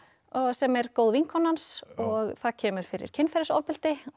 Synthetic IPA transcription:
ɔɣsɛmɛɾkoːwðviŋkʰɔnhansɔɣθaðcʰɛːmʏɾ̥fɪɾɪ̰ɾ̥cʰɪnfɛɾɪsɔ̰vpɪl̥t̪ɪ

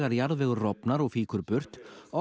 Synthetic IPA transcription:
ɣaɾjaɾðvɪːɣʏɾrɔpnaɾɔɣfiːkʏɾpʏr̥t̪ɔ

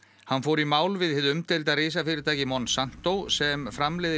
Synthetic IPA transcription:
hanfoːwɾimaːwlvɪðhɪðʏmt̪ʰɪlt̪aðreːsafɪɾɪɾt̪ʰaːjcɪmɔnːsan̥t̪owsɛmfɾamlɛjðɪ

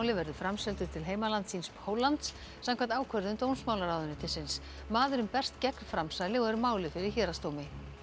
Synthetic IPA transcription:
wlɪvɛɾðʏfɾamsɛlt̪ʏ̥t̪ʰɪlɦeːjmalant̪sinsphoːwlant̪sː | amkʰant̪aːwkʰœɾðʏmt̪ownsmaːwlaɾaːwðʏnʏt̪ʰɪsɪns | maːðʏɾʏmpɛr̥t̪cɛkn̥fɾamsaðlɪɣɛɾʏmaːwlɪfɪɾɪɾ̥çɛːɾast̪oːwmɪ

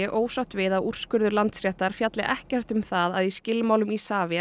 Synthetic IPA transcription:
ɪʔoːwsaht̪vɪðaur̥skʏɾðʏɾlant̪sɾɛht̪aɾ̥fjat̪lɪʔɛhcɛr̥t̪ʏmθaðaðiscɪlmawlʏmisaːvɛ

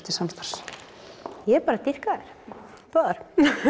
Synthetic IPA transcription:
t̪ɪsamst̪ar̥s | jɛɛpaːɾat̪ir̥kaðɛɾ̥ | paðaɾ̥

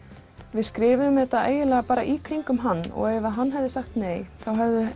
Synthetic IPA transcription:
vɪðskɾɪːvɪðʏmɛt̪ːaḛːjɪlɛːɣapaːɾa̰ʔikʰɾiŋkʏmɦanːɔ̰ɣeːjvaðɦanːɦɛvðɪsaxt̪neːjθawɦɛvðɪ

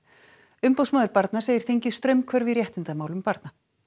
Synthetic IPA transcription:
ʏmpowsmaːðʏɾpaɾt̪naseːjɪ̥ɾ̥θeɲcɪ̥st̪ɾœɥmkʰvœɾvɪðɾjɛht̪ɪnt̪amaːwlʏmpaɾt̪̚na

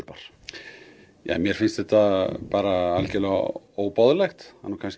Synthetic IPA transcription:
ɾpaɾ̥ | ja̰ːmjɛɾ̥fɪnst̪θɛht̪apaːɾaalcɪlɛɣa̰ | oːwpawðlɛxt̪ha̰nːukʰans

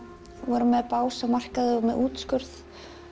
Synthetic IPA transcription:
vɔːɾʏmːɛðpaːwsamar̥kaðʏɔmɛðuːt̪skʏɾθ

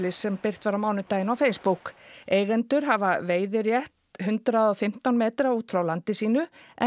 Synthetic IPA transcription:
lɪsːɛmpɪr̥t̪vaːɾamaːwnʏt̪aːjɪnawfejspukeːjɣɛnt̪ʏɾ̥ɦavaveːjðɪɾjɛht̪hʏnt̪ɾaðɔfɪm̥t̪awnmeːt̪ɾauːt̪fɾawlant̪ɪsiːnʏɛ

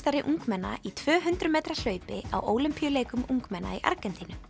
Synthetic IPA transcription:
t̪aɾɪʔuŋkmɛnːa̰it̪ʰv̥œːɦʏnt̪ɾʏmeːjt̪ɾal̥œːɥpɪa̰wʔoːwlʏmpʰijʏleːjkʏmʔuŋkmɛnːa̰iʔa̰ɾkɛnt̪inʏ

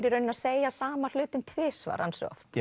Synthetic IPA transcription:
ɾiɾœnɪnaseːjasaːmal̥ʏːt̪ʏnt̪ʰvɪːsva̰ɾansɔ̰ɔ̰ft̪

